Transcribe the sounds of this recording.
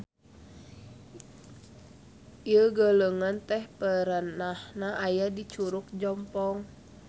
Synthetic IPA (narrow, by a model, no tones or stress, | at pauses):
iəɡələŋant̪ɛhpəɾənahnaʔajadit͡ʃuɾuk̚d͡ʒɔmpɔŋ